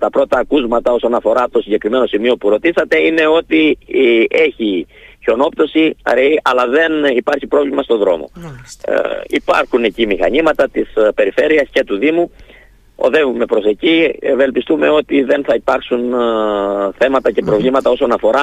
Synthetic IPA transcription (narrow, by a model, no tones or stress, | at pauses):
t̪ɐpɾo̞t̪ɐːkuzmɐt̪ɐo̞so̞nɐfo̞ɾɐt̪osiɲɟe̞kɾime̞no̞simio̞puɾo̞t̪isɐt̪e̞ine̞o̞t̪i | e̞çi | ço̞no̞p̚t̪o̞siɐ̰ɾeiɐlɐðe̞nipɐɾçipɾo̞vlimɐst̪o̞ðɾo̞̰mo̞̰ | ḭpɐ̰ɾxunecimixɐɲimɐt̪ɐt̪ispe̞ɾife̞ɾiɐsce̞t̪uðimu | o̰ðe̞vume̞pɾo̞se̞cive̞lpist̪ume̞o̞t̪iðe̞nθɐipɐɾksun | θe̞mɐt̪ɐce̞pɾo̞vlimɐt̪ɐo̞so̞nɐfo̞ɾɐ